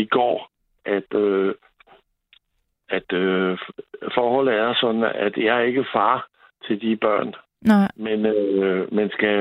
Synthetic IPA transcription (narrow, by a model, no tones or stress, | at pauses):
iɡ̥ɒ̰ː | ʔæd̥ø | æd̥ø | fɒːhɒ̽l̰̩ˠæɐsɒ̽d̥n̩æd̥jɑ̈he̝ɡ̥əfɑ̈ː | t͡sʰe̝ld̥ib̥ɶɐ̰n | menmænsɡ̥æ